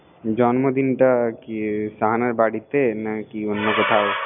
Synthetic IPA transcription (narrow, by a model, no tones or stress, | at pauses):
d͡ʒɔːnmod̪inʈɐkisaɦanɐɾbaːɽit̪ːenɐkiʊnːõkot̪ʰaː